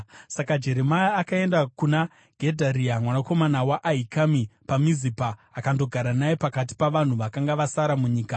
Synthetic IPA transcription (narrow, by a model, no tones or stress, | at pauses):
sakad͡ʒe̞ɾe̞majaːkae̞ndakuna | ɡ̥ʱe̞dʱaɾiamwanako̞manawaʔaikamipamizipaːkando̞ɡʱaɾanajepakat̬i̥paʋan̤uʋakaŋɡaʋasaɾamuɲiːka